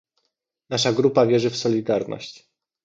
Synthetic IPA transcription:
naʂaɡɾupavʲjɛʐɘfsɔlʲid̪aɾnɔ̰ɕt͡ɕ

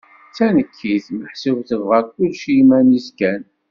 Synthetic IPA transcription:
t͡sːænəkʰːiθməħsəvθəvʁəɾkʊlʃimæniskæn

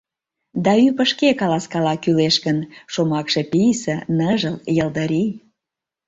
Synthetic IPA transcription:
d̪ɑypəʃkekɑlɑskɑlɑkyleʃkənʃomɑkʃepijsə̆nəʒəljəld̪əɾi

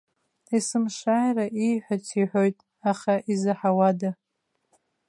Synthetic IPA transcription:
isɨmʂajraʔijħʷᶣat͡sʰiħʷojtʼ | aχaʔizɨħawada

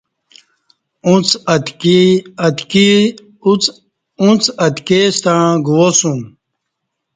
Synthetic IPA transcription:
ũt͡s̪ | ɐt̪ki | t͡s | ũt͡sɐt̪kest̪ãːɡuwosũ

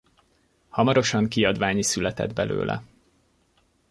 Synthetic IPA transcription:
hɒmɒɾo̞ʃɒŋkiɒd̪ʋaːɲisylɛt̪ɛd̪bɛlø̰ːlʔɛ̰

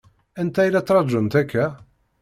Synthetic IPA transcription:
ænt̪æjlæt͡sːɾˤɑʒənt̪ækʰːæ

